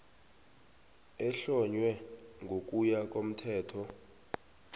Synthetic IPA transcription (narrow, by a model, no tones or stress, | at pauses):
ɛɬɔɲwɛŋʱok̬ʼujak̬ʼom̩tʰɛːtʰɔ